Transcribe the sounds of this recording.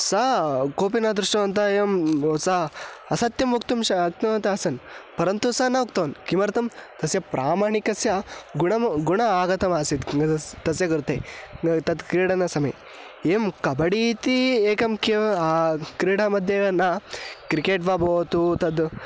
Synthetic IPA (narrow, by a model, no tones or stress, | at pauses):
sakoːp̬inad̪ɾuʂʈɐʋɐnt̪ɐemsaɐsɐt̪jɐmʋukt̪umʃɐɐk̚t̪ɐmɐnt̪ɐɐsɐnpɐɾɐnt̪usanɐukt̪ɐnkimɐɾt̪ɐmt̪ɐsjɐpɾaːmaːɳikɐsjɐɡuɳɐmɡuɳɐaːɡɐt̪ɐmaːsit̪ɡ̪t̪ɐsjɐɡɐɾt̪et̪ɐd̪kɾiːɽɐnɐsɐmɐ̰j | eːmkɐbɐɽiːt̪ieːkɐmkeakɾiːɽamɐd̪ʱjɐɐnakɾikeːʈʋaːboːt̪ut̪ɐd̪